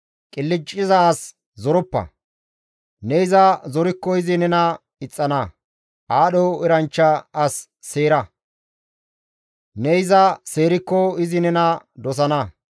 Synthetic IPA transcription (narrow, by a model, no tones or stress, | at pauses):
kʼɪlːɪt͡ʃʼːɪzɐːs | zɔɾɔpːɐ̰ | nɛɪzɐzɔɾɪkːɔɪzɪnɛnɐ | ɪt͡sʼːɐnɐ | ʔaːɗɔɪɾɐnt͡ʃːɐːsː | eːɾɐ | nɛɪzɐseːɾɪkːɔɪzɪnɛnɐd̪ɔs̬ɐnɐ